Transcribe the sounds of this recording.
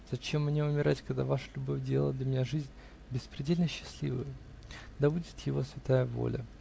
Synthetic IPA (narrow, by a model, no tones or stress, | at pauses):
z̥ɐt͡ɕe̞mːnʲeʊmʲɪɾatʲkɐɡd̪a̰vaʂəlʲʊbo̞fʲdʲellˠəd̪lʲəmʲɪnʲaʐɨzʲnʲ | bʲɪspɾʲɪdʲelʲnəɕːɪ̥sʲlʲḭvə̰jə | d̪abudʲɪt̪jɪvo̞svʲɪt̪ajəvo̰lʲə